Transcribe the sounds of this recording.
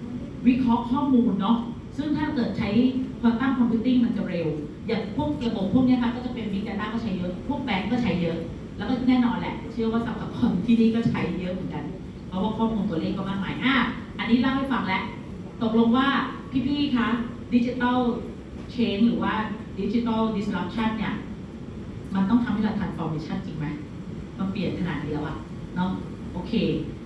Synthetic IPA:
wi˦˥kʰɔ˦˥kʰːɔː˥˩muː˧nːɔ˦˥ | sɯ˥˩ŋt̪ʰaː˥˩kɤː˨˩t̪̚t͡ɕʰa˦˥jkʰwaː˧mt̪a˥˩ŋkʰɔ˧mpʰjuː˨˦t̪i˥˩ŋma˧nt͡ɕa˨˩ɾe˧w | jaː˨˩ŋpʰu˥˩əŋ̚a˧bo˨˩˦pʰu˥˩ni˦˥ɐkʰa˦˥kɔː˥˩t͡ɕa˨˩pe˧nwi˦˥k̚t͡ɕaː˧nt̪aː˥˩kɔː˥˩a˦˥jɤ˦˥ʔpʰu˥˩k̚p̪ɛː˧˩ŋkɔː˥˩t͡ɕʰa˦˥jːɤ˦˥ʔ | lɛ˦˥wkɔː˥˩˨nɛː˥˩nɔː˧nlɛ̰˨˩t͡ɕʰɯ˥˩ɐwaː˥˩sa˨˦mla˨˩˦p̚kʰɔ˧nt̪ʰiː˥˩niː˥˩kɔː˥˩t͡ɕʰa˦˥jːɤ˦˥ʔmɯː˩˦nka˧n | pʰɔ˦˥waː˥˩kʰɔː˥˩muː˧nt̪u˧˩ɐleː˥˩k̚pa˧˩maː˧˩k̚ma̰ː˩˦jʔaː˧˩ʔa˨˩nːiː˦˥laː˥˩ha˥˩jfa˨˩ŋlɛ˦˥ʔ | t̪o˨˩k̚lo˧ŋwaː˥˩pʰiː˥˩pʰiː˥˩k̪ʰa˦˥ŋdi˦˥t͡ɕi˧t̪a˥˩ | t͡ɕʰeː˧ŋɾɯː˩˦waː˥˩ | di˨˦˥t͡ɕi˧t̪a˥˩ldi˧˥sɾa˦˥p̚t͡ɕʰa˥˩nːi˥˩ɐ | ma˧nt̪ɔ˥˩ŋt̪ʰa˧mha˥˩˨laː˧t̪ʰaː˧˥nfɔː˧miː˧t͡ɕʰa˥˩nt͡ɕi˧ŋma˦˥j | ma˧npli˨˩ənkʰa˧naː˨˩di˨˧˦ɐ˨wʔa̰˨˩ʔ | nɔ˦˥ | ʔoː˧kʰeː˧

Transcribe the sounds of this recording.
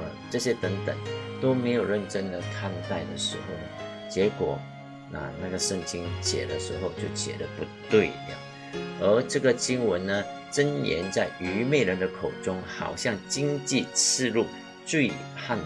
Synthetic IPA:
ʈ͡ʂɤ˥˧ɕjɛ˥t̪ə˧˥ŋt̪ə̰˨˩˦ŋt̪o˥ʊme˧˥ɪjo˨˩ʊɻə˥˩nʈ͡ʂə˥nd̪ə˨kʰa˥˧nt̪a˥˩ɪd̪ə˨˩ʂɻ̩˧˥xo˥˩ʊn˩ | t͡ɕjɛ˧˥kwɔ˨˩ | na̰˨˩na˥˩ɡə˩ʂə˥˩ŋt͡ɕi˥ŋɕjɛ̰˨˩də˦ʂɻ̩˧˥xo˥˧ʊt͡ɕjo˥˩ʊɕjɛ̰˨˩də˦pu˧˥t̪we˥˩ɪdə̰˩ | ə˧˥ʈ͡ʂɤ˥˩ɡə˩t͡ɕi˥ŋwə˧˦nnə˧ | ʈ͡ʂə˥njɛ̰˧˥nt͡sa˥˩ɪy˧˥me˥˩ɪɻə˧˥nd̪ə˧kʰo˨˩ʊʈ͡ʂʊ˥ŋxɑ̰˨˩ʊɕjɑ˥˩ŋt͡ɕi˥ŋt͡ɕi˥˧t͡sʰɻ̩˥˧lu˥˩ | t͡swe˥˧ɪpʰa˥˩n

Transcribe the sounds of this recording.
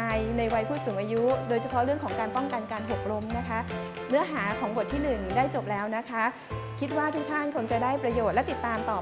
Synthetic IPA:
jna˧jwa˧jpʰuː˥˩t̪suː˩˦mʔaː˧ju˦˥doː˧jt͡ɕʰa˧pʰɔ˦˥ɾɯ˥˩əŋkʰɔː˩˦ŋkaː˧npɔ˥˩ŋka˧nkaː˧nɦo˨˩k̚ɾo˧˦˥mna˦˥kʰa˦˥ʔ | nɯ˦˥ɐɦaː˩˦kʰɔː˩˦ŋbo˨˩t̪ʰːiː˥˩nɯ˨˩ŋdaː˥˩jt͡ɕo˨˩p̚lɛː˦˥wna˦˥kʰa˦˥ | kʰi˦˥t̪̚waː˥˩t̪ʰu˦˥k̚t̪ʰa˥˩nkʰo˧ŋt͡ɕa˨˩daː˥˩jpɾa˧joː˨˩t̪̚lɛ˦˥t̪i˨˩t̪ːaː˧mt̪ɔː˨˩

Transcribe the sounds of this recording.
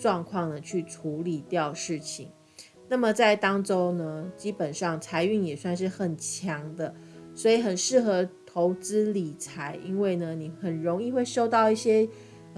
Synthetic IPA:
ʈ͡ʂwɑ˥˧ŋkʰwɑ˥˩ŋd̪ə˩t͡ɕʰy˥˩ʈ͡ʂʰu˧˦˥li˨˩t̪jɑ˥˨ʊʂɻ̩˥˩t͡ɕʰi˨˩˦ŋ | na˥˩mə˨t͡sa˥˩ɪt̪ɑ˥ŋʈ͡ʂo˥ʊnə˧t͡ɕi˥pə˨˩nʂɑ˥˩ŋt͡sʰa˧˥ɪy˥˩njɛ˨˩swa˥˧nʂɻ̩˥˩xə˨˩nt͡ɕʰjɑ˧˥ŋd̪ə˧swɔ˧˥i˨˩xə˨˩nʂɻ̩˥˩xɤ˧˥t̪ʰo˧˥ʊt͡sɹ̩˥li˨˩t͡sʰa˧˥ɪʔi˥nwe˥˩ɪnə˩ni˨˩xə˨˩nɻo˧˥ŋi˥˧xwe˥˧ɪʂo˥˧ʊt̪ɑ˥˧ʊi˥˩ɕjɛ˥

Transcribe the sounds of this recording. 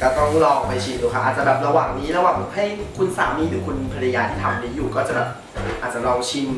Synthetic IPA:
kɔ˥˩t̪ɔ˥˩ŋlɔː˧ŋpa˧jt͡ɕʰiː˧˩luː˧˩kʰa˦˥ʔːt̚t͡ɕa˨˩bɛː˨˩p̚ɾa˧waː˨˩ŋniː˦˥ɾa˧waː˨˩ŋ˧˩ha˥˩jkʰu˧nsa̰ː˩˦wniː˦˧˥lʰɯː˩˦kʰu˧npʰa˧ɾja˧jaː˧t̪ʰiː˥˩t̪ʰa˧mʔniː˦˥juː˨˩kɔː˥˩t͡ɕa˨˩bɛː˨˩p̚ | ʔaː˨˩t̪̚t͡ɕa˨˩lɔː˧ŋt͡ɕʰi˧n

